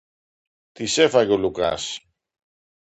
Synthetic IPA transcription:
t̪ise̞faʝoluka̰s

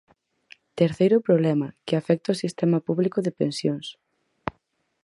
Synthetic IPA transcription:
t̪eɾθejɾʊpɾoβlɛmakɪafɛk̚t̪aʊsist̪ɛmapuβlikʊðepẽnsjoŋs

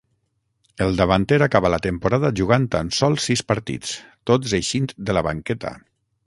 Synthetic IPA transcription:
elˠd̪əβant̪eɾakaβalat̪əmpuɾaðaʒuɣ̞ant̪ansɔlˠsːispaɾt̪ḭt͡st̪ozejʃint̪d̪əlaβa̰ŋkɛt̪a̰

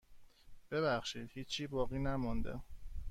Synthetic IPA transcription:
b̥e̞βæxʃiːd̪̥hiːiːbɒːɣiːnæmɔnd̪ḛ

